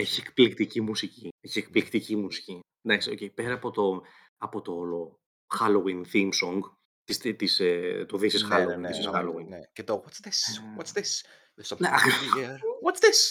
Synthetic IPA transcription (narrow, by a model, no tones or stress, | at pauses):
e̞çiekplikt̪icimusicie̞çiek̚plikt̪icimusi̥ci | nd̪ɐksio̞̰ce̞jpe̞ɾɐːpo̞t̪o̞ | ɐpo̞t̪o̞lo | xɐlowinθimsoŋɡ | t̪ist̪it̪iset̪oðisisxɐlowinðisisɐlowinncet̪owɔtsðiswotsðis | ðesneɐkɛɾwɐtsðis